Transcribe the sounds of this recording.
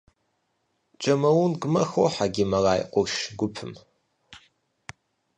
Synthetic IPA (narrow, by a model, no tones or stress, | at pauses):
t͡ʃʼɐmɐwʊnɡʷʊmɐxoħaɡʲɪmɐraːjqʷʊʃɡʷʊpʰɨm